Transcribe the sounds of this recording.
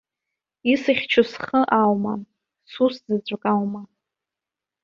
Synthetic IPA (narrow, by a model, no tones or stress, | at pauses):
isɨχʲt͡ʃʰʊsχəʔawma | suszɨt͡sʷʼakʼawma